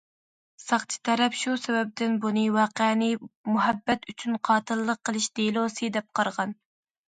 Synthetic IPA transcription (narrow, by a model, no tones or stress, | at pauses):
sɑχt͡ʃʰi̥t̪ʰɛɾɛpʃusɛbɛp̚d̪ɪnbunɨwɑːqːnɨmuɦɛbːɛt̪yt͡ʃʰynqʰɑːt̪ʰɨlˠːəqːəlˠɨʃd̪̥elˠosɨd̪ɛp̚qʰɑɾʁɑn